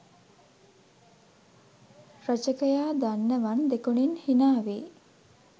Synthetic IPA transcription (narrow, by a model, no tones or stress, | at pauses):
ɾət͡ʃəkəjaːd̪anːəʋand̪ekuninhinaːʋeː